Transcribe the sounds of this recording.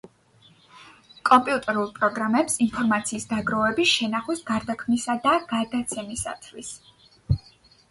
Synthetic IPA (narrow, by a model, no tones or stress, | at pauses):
kʼɔmpʼiut̪ʼɛɾulˠpʼɾɔɡɾamɛpsinpʰɔɾmat̪sʰiːsd̪aɡɾɔvɛbisʃɛnaχwisɡaɾd̪akʰmnisad̪aɡ̥aɾd̪at̪sʰɛmisa̰t̪ʰwis